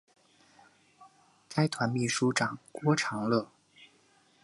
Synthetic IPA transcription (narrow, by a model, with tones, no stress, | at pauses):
ka˥ɪt̪ʰwa˧˥nmi˥˩ʂu˥ʈ͡ʂɑ˨˩ŋkwɔ˥ʈ͡ʂʰɑ˧˥ŋlɤ˥˩